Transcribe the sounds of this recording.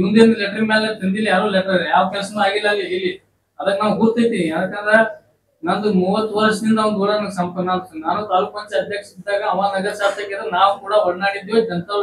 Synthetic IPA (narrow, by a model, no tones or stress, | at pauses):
mund̪end̪ɐlɛʈɾimeːlet̪ɐnd̪ilːɐjaːɾolɛʈɐɾiɾjaːʋɐkɛlɐsɐnuaːɡilːɐlːiilːi | ɐd̪ɐkːnaːwɦuːɾt̪ajt̪iʋiɐd̪akːɐnɾe | naːnd̪umuːʋɐt̪ːʋɐɾʂɐd̪ind̪ɐɐnd̪uːɽɐnɐnɡsɐmpɐnaːnnaːnut̪aːlukɐnt͡ʃɐɐd̪jɐkʂid̪aːɡɐːmaːnɐɡɐsaːɾt̪ɐkːɛd̪ɾnaːʋkuːɽɐɦɐɽnaːɽid̪jod͡ʒɐnt̪ɐ